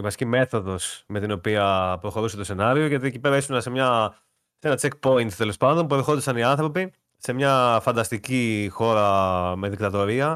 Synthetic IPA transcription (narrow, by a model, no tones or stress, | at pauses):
vɐscime̞θo̞ðo̞sme̞t̪ino̞piɐpɾo̞xo̞ɾuset̪ose̞nɐɾio̞ʝɐt̪iecipe̞ɾɐisunɐsemɲɐ | senɐt͡sek̚po̞int̪t̪e̞lo̞spɐnd̪o̞mpueɾxo̞nd̪ɐsɐniɐnθɾo̞pi | se̞mɲɐfɐnd̪ɐst̪icixo̞ɾɐmeðikt̪ɐt̪o̞ɾiɐ